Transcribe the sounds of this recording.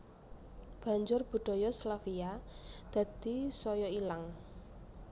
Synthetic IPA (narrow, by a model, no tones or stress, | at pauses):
b̥ä̤ɲd͡ʒʊrb̥ṳɖ̪̥ɔ̤jɔslafiad̪̥ä̤d̪̥i̤sɔjɔilaŋ